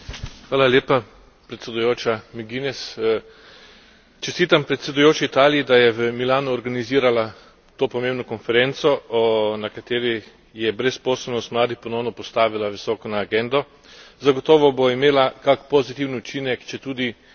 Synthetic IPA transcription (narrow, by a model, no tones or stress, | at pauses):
xʋaːlalʲjeːpa | pɾɛt̪sʲɛd̪ujoːt͡ʃamiɡinɛs | t͡ʃɛst̪iːt̪ampɾɛt̪sʲɛd̪ujoːt͡ʃiːt̪aːlijid̪ajɛʋəmilaːnuɔɾɡaniziːɾala | t̪oːpɔmẽːmbnɔkɔnfɛɾɛnt̪sɔɔnakat̪eːɾi | jɛbɾɛspɔːsɛlnɔst̪mlaːd̪ixpɔnɔwnɔpɔst̪aːʋilaʋisɔːkɔnaːɡɛnd̪ɔ | zaɡɔt̪ɔːʋɔboimeːlakakpɔzit̪iwnut͡ʃiːnɛkt͡ʃɛt̪uːd̪i